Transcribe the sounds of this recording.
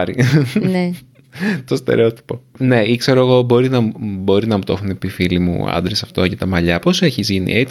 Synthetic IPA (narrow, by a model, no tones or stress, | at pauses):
ɾine | t̪ost̪e̞̰ɾeot̪i̥po̞ne̞ikse̞ɾoeɣo̞bo̞ɾinɐbo̞ɾinɐmut̪o̞xunepifilimṵɐ̰nd̪ɾesɐft̪o̞cɐt̪ɐmɐʎɐpo̞seçizʝinḭʔet͡s